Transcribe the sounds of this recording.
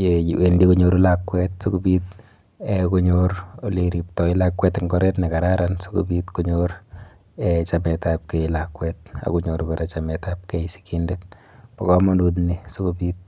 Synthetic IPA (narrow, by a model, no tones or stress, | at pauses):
ewendikuɲoɾulakwɛt̚sokubiːt̪̚ | ekuɲoɾliɾiptɔilakwɛtɪŋɡɔɾɛtnɛkaɾaɾanso̥kṵbiːtkuɲoɾ | et͡ʃamɛtap̚kejlakwɛt̚a̰kuɲoɾkoɾɛt͡ʃamɛtap̚kesi̥kindet̚pɔkɔmɔndut̬nisokubiːt̚